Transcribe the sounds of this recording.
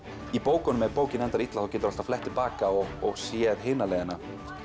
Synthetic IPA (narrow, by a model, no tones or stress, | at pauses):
ipoːwkɔnʏmɛɾpoːwcɪnɛnt̪aɾit̪laθɔwcɛːt̪ʏɾal̥t̪aflɛht̪ʰːɪlpaːkaɔɣɔɣsjɛɾ̥ɦɪːnalɛːjðɪna